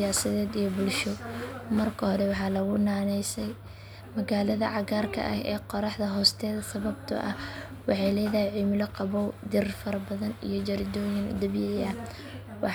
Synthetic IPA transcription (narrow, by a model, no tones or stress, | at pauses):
jaːsɐðɛːd̪ijɔbʊlʃɔmɐrkʰɐhɔɾɛwɑħɑːlɐɣʊnaːnɛjsɛj | mɐɣaːlɐðɐʕɑɣaːrkʰɐ̰ʔɐ̰ɦɛ̰ːqɔɾɑħðɐɦɔːst̪ʰɛːðɐsɐβɐbt̪ʰɐ̰ʔɐh | wɑħɑjlɛjðɐɦɛjʕimɪlɔqɑβɔwd̪ɪrfɐɾɐbɐðɐnḭjɞt͡ʃɐɾd̪ɔːjɪnd̪ɐbjɪɐ | wɑ